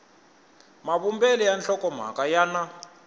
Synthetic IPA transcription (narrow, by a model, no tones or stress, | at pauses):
maβumbɛlɛjanɬɔkɔm̤a̰kajana